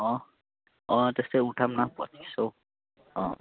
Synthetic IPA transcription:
ɔ̃ | ɔ̃t̪est̪euʈʰamnapɔ̰t̪ʰi̥so | ɔ̃

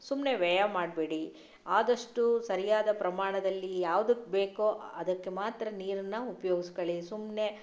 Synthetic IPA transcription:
sumne̞ʋɛjamaːɖbeːɽi | aːd̪ɐʂʈusɐɾijaːd̪ɐpɾɐmaːɳɐd̪ɐlːijaːʋd̪ɐkːbeːkoʔɐd̪ɐkːe̞maːt̪ɾɐniːɾɐnːɐupɐjoːɡiskɐɭisumne̞

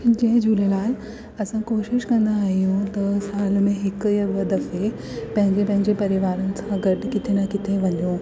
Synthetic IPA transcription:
ɪd͡ʑeɦd͡ʑʱuləlaːl | ɐsãkoːʃɪʃkɐ̃nd̪aːɦijũt̪ɐsaːlmẽɦɪkjɐʋəd̪ɐfe | pɐ̃ɦɪ̃ɲd͡ʑepɐ̃ɦɪ̃ɲd͡ʑepɐɾiʋaːɾənɪ̆sãɡɐʈkɪt̪ʰenɐkɪt̪ʰeʋɐɲo

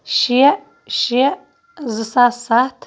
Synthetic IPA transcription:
ʃi | ʃi | zɨsasatʰ

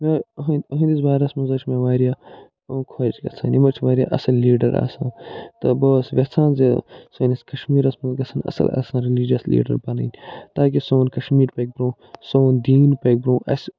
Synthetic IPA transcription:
meɦnɐɦɐ̃nisbaːɾɐsmɐzɐt͡ʃʰmeʋaːɾja | kʰoːt͡ʃɡɐ̰t͡sʰa̰ːnimɐt͡ʃʰʋaːɾja̰ːʔɐsɐlːiːɖɐɾa̰ːsãːt̪ɐboːsʋʲɐt͡sʰãːnzesoːniskɐʃmiːɾɐsmɐzɡɐsʰɐnɐ̰sɐ̰la̰ːsãːɾiliːd͡ʒjɐslḭːɖɐ̰ɾbɐnɐ̰ːnʲt̪aːk̬isoːnkɐʃmiːɾpɐk̚bɾõː | soːnd̪iːnpɐːk̚bɾõːʔɐ̰s

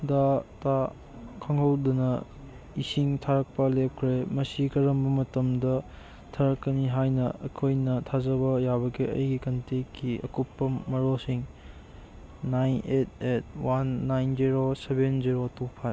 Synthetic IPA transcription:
data | kʰɐŋɦɐwdunɐ | isiŋtʰaɾɐk̚pɐlep̚kʰɾemɐsikɐɾɐmbɐmɐtɐmdɐ | tʰaɾɐkːɐniɦajnɐɐ̰kʰojnɐtʰazɐbɐjabɐɡiɐ̰jɡikɐntekːiɐ̰kupːɐmɐɾosiŋ | najnet̚et̚wanːajnziɾosebenziɾotupʰaj

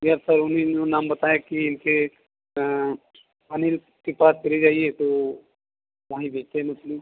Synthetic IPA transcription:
jɐɾsɐɾʊnẽd͡ʒonaːmbɐt̪aːekiɪnke | ɐnɪːl | kepaːst͡ʃɐled͡ʒaːiet̪o | ʋaːɦĩbʱeːt͡ʃt̪eɦɛmʊslĩ

